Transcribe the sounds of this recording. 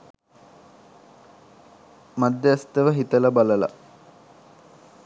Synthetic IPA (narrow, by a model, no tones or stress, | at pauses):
mad̪ːeɐst̪əʋəɦit̪əlɐbaləla̰